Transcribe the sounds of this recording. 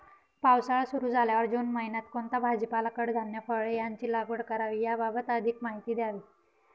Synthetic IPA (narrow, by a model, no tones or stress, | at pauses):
pawsaɭasuɾuːd͡zʱaljaʋəɾd͡ʑonmaɦinat̪kont̪abʱad͡ʑəpalakəɽd̪ʱənjəfəɭejaɲt͡ɕiːlaɡəɽkəɾaʋiːjababət̪əd̪ʱikmaɦit̪iːd̪jaʋiː